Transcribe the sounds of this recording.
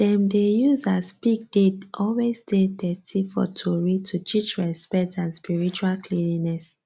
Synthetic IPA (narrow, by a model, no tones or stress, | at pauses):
dɛ̃mdejuzaspik̚d̥etʔɔlwestedɛtʰifɔ̰tʰuɹitʰutʰit͡ʃɹɛspɛk̚tãnspiɹit͡ʃualkʰlilinɛs